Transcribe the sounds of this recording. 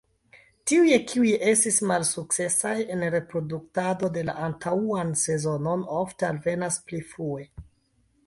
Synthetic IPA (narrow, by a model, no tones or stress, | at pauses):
tiuje̞kʰiujʔe̞stismalsuk̚t͡se̞saje̞nɾe̞pɾo̞duk̚tado̞de̞la̰ʔantʰauanse̞zo̞no̞noftealve̞nasplifɾue̞